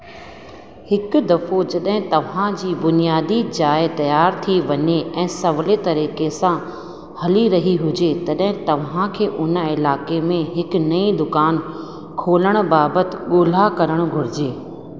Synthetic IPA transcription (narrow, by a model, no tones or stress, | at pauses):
hɪkʊ̆d̪ɐfod͡ʑɐɗɦɪ̃t̪ɐʋ̤ãd͡ʑiːbʊnijaːd̪id͡ʑaːɪt̪ɐjaːɾt̪ʰiʋɐɲeʔɛ̃ːsɐʋlet̪ɐɾiːkesã | hɐliɾɐɦiɦʊd͡ʑet̪ɐɗɦɪ̃t̪ɐʋ̤ãkʰeːʔʊnəɪlaːkemẽɦɪknɐid̪ʊkaːn | kʰoːləɽ̃baːbət̪ɪ̆ɠoːl̤akɐɾəɽ̃ɡʱʊɾɪd͡ʑeː